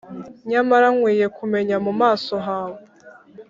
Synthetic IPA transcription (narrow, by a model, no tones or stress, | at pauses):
ɲamaɾaŋwiːje̞kume̞ɲamumaːsoɦaːwe